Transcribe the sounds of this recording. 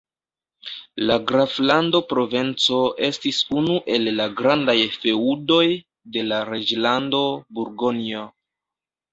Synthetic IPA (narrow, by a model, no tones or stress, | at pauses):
laɡɾaflando̞pɾo̞ve̞nt͡so̞e̞stisunuʔe̞lːaɡɾandajfe̞udo̞j | de̞laɾe̞d͡ʒlando̞buɾɡo̞nio